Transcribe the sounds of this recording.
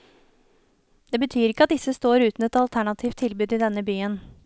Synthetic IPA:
d̪̥eːbət̪ʰyːɾɪkːəɑt̪̚d̪ɪsəst̪oːɾʉːt̪n̩ɛt̪ɑlt̪ʰæɳɑt̪ʰiːft̪ʰːɪlbʉːd̪ɪd̪ɛnːəbyːən

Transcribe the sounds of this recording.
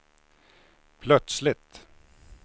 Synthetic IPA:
pʰlœt̪slɪt̪

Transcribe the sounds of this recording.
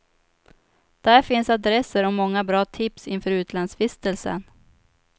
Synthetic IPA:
d̪̥æɾfɪnsad̪ɾɛsːəɾɔmɔŋːabɾɑːt̪ʰɪpsɪnfœːɾʉ̟ːt̪lansfɪst̪əlsə̰n

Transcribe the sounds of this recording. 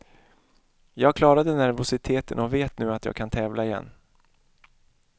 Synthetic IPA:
jɑːɡ̚kʰlɑːɾad̪ənæɾvʊsɪt̪ʰeːt̪ənɔveːt̪nʉ̟ːat̪jɑ̰ːɡ̚kʰant̪ʰɛːvlʔaɪjɛ̰nː

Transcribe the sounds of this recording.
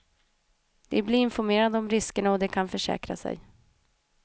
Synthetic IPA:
d̪̥ɛbliɪnfɔɾmeːɾad̪əɔmɾɪskəɳaɔd̪ɛkʰanfœʂɛ̰ːkɾa̰sɛ̰j

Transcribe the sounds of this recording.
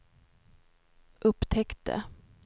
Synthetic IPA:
ʔɵpːt̪ʰɛkt̪ə̰

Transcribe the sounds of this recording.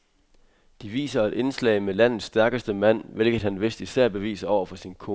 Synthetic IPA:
d̥iʋḭːsɐed̥e̝nslɛ̰ɪmelæn̰ð̩ˠsːd̥æɐɡ̥əsd̥əmæn̰ʋe̝lɡ̥ð̩ˠhænʋe̝sd̥isæɐ̰b̥e̝ʋḭːsəɒʊ̰ɐfɒ̽sinkʰo

